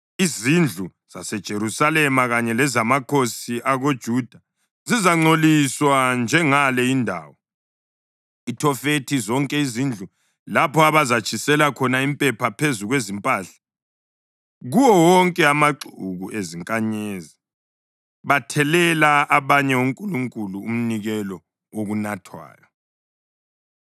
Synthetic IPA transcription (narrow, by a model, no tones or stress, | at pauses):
izind͡ɮʱu | z̥asɛd̥ʒ̥ʱeɾusalɛmaɣaɲɛlɛzamakʰosiʔaɣod̥ʒ̥ʱud̥ʱa | zizaŋ͡ǀoliswand͡ʒʱɛŋalɛindʱa̰ːwɔ | itʰɔfetʰizɔŋkʼɛizind͡ɮʱu | lapʰɔaβazat͡ʃʰʼisɛlakʰɔnaimpʼɛpʰapʰezuɣwezimpʼaːɬḁ | ɣuwɔwɔŋkʼɛamaǁuɣuʔeziŋkʼaɲeːzi | βatʰɛlɛlaːβaɲɛuŋkʼuluŋkʼuluːm̩niɣɛlɔ | oɣunatʰwa̰ːjɔ